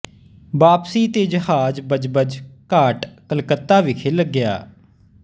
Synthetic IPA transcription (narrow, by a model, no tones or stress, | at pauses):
baːpsiːt̪eːd͡ʒəɦaːd͡ʒbəd͡ʒbəd͡ʒkaːʈkəlkət̪ːaːʋiːkʰeːləɡɪja̰ː